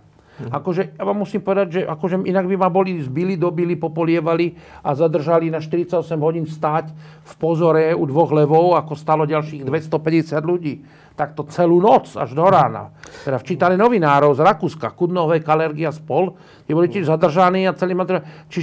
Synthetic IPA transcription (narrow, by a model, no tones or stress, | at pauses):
akɔʒɛjaʋamːusiːmpɔʋɛd̪aɟʒɛʔakɔʒɛʔinaɡbimabɔlizbilid̪ɔbilipɔpɔlɪɛʋaliazad̪r̩ʒalinaʃt̪iɾit͡saɟɔsɛmɦɔɟiːnfst̪aːc | fpɔzɔɾɛud̪ʋɔɣlɛʋɔʊakɔst̪aːlɔɟalʃiːɣd̪ʋɛst̪ɔpɛɟɛsɪad̪luɟiː | t̪ak̚t̪ɔt͡sɛluːnɔt͡sa̰ʒd̪ɔɾaːna̰t̪ɛd̪aft͡ʃiːt̪anɛnɔʋinaːɾɔʊzɾakuːskakud̪nɔʋɛjkalɛɾɡiaspɔl | t̪ɪɛbɔlicɛʒzad̪r̩ʒaniːat͡sɛlimad̪ɾɛt͡ʃi